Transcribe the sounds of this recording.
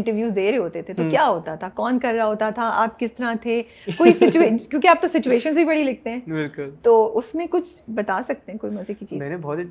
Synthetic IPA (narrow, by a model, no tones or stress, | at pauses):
ɪ̃ɳʈəɾʋjuːzd̪eːɾeɦoːt̪et̪ʰet̪okjaːɦoːt̪at̪ʰakɔːnkɐɾːaɦoːt̪at̪ʰaaːp̚kɪst̪ɐɾãt̪ʰe | koːisɪt͡ʃueːkjõːkiaːp̚t̪osɪt͡ʃueːʃənzbʱibɐɽilɪk̚t̪eɦɛ̃ːbɪlkʊlt̪oːʔʊsmẽkʊt͡ʃʰbɐt̪aːsɐk̚t̪eɦɛ̃koːimɐzikit͡ʃiːzmɛ̃ːnebɔːt̪